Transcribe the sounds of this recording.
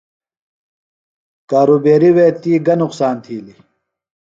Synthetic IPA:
kaːɾuːbeːɾiweːt̪iːɡɐnuqsaːnt̪ʰiːli

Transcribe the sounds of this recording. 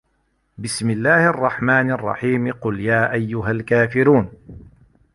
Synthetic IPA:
bɪsmɪlːaːhʔɑrˤːɑħmaːnɑrˤːɑ̰ħiːmqʊljaːʔajːʊɦalkaːfɪɾuːn

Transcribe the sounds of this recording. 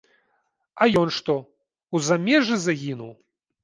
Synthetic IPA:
ajɔnʂt̪ɔ | uzamʲɛʐɨzaɣʲinuw

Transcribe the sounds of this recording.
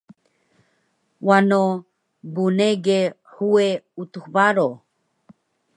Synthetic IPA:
wano | buneɡe | hueut̪uhbaɾo

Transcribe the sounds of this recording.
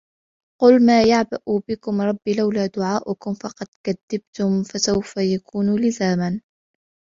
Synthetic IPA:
qʊlmaːjaʕbaʔubɪkʊmɾˤɑbːiːlawlaːd̪ʊʕaːʔʊkʊmfɑqɑd̪̥kad̪ːab̚t̪ʊmfasawfajakuːnulɪzaːman

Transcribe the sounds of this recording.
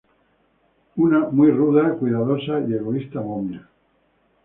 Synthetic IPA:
unamujruðakwiðaðosaie̞ɣoist̪amomja

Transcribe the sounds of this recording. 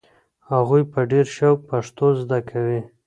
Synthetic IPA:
haɣujpəɖeɾʃawk̚paʂt̪ozd̪akʰawi

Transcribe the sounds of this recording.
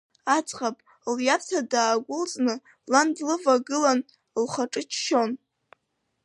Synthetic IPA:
at͡sʼχapʼ | ljapʰtʰadaːɡʷʊlt͡sʼnɨ | landlɨvaɡɨlan | lχaʈ͡ʂʼɨt͡ʃʰʃo̞n

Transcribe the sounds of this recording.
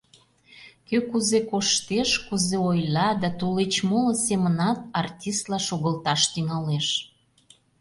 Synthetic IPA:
køkuzekoʃt̪eʃkuzeojlɑd̪ɑt̪olet͡ɕmolə̆semənɑt̪ɑrtʲist̪lɑʃoɣəlt̪ɑʃt̪yŋɑleʃ

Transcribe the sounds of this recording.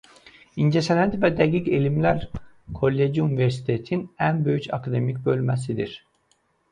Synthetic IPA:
ind͡ʒesenænt̪vɛd̪ɛɟicelʲimlʲæɾkʰo̞lʲːed͡ʒiyniveɾsi̥t̪ʰet̪ʰinænbø̞jyt͡ʃʰa̰kʰad̪emicʲbølʲmɛsid̪ḭɾ̥

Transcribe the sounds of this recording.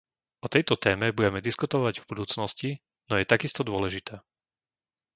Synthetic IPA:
ɔt̪ɛjt̪ɔt̪ɛːmɛbuɟɛmɛd̪iskut̪ɔʋaɟvbud̪uːt͡snɔsci | nɔjɛt̪aɡist̪ɔd̪ʊɔlɛʒit̪ɛː

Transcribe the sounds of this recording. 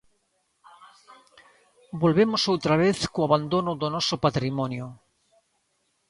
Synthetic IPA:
bolβemosowt̪ɾaβ̞eθkoaβand̪onoðonosopat̪ɾimonjo

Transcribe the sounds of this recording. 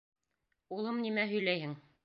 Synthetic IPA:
ulˠɤmnimæɦɵ̆jlæjhɘŋ

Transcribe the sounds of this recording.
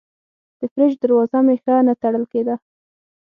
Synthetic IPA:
d̪̥əfɾed͡ʒd̪aɾwɑzamexənat̪aɽəlked̪a

